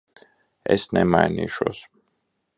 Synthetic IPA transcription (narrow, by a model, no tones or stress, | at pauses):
ɛsnɛmaɛniʃɔs